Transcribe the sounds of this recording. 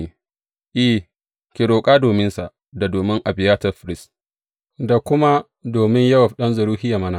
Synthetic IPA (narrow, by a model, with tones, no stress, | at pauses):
ʔiː˦ | kʲɪ˨ɾoː˨kʼaː˦doː˨mɪ˦nsa˨ʔ | da˨doː˨mɪ˦ŋʔa˨bɪ˨jaː˦tɐ˦˨ɸɪ˨ɾɪ˦s | da˨kʷʊ˦ma˦ | doː˨mɪ˦ɲjɐ˦wɐ˨ɸɗɐ˦nzʊ˨ɾuː˦hɪ˦ja˨mɐ˦na˨